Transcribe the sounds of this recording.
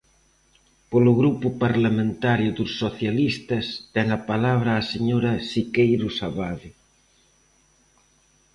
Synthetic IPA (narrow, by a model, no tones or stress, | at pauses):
polʊɣɾupʊpaɾlamẽnt̪aɾjʊðʊsːoθjalist̪ɐst̪ɛŋɐpalaβ̞ɾaːseɲoɾɐsikejɾʊsaβaðɪ